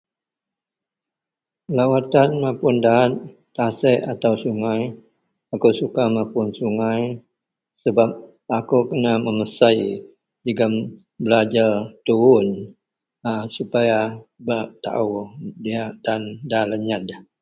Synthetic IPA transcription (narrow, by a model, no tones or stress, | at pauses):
lawat̪anmapʊndaat̪̚ | t̪asɛʔat̪awsuŋaj | akusukamapʊnsuŋaj | səbap̚ | akukənaməməsai | d͡ʒəɡam | bəlad͡ʒart̪uʊn | asupajabat̪a̰ʔudiaʔd̪andaləɲad̪a